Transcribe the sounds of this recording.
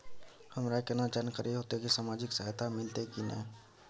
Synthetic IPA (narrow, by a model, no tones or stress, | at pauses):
həmɾakenad͡ʒankəɾʔeɦoːt̪ekisaːmaːd͡ʒɪksəɦt̪ʰamɪlt̪ekinɛ̰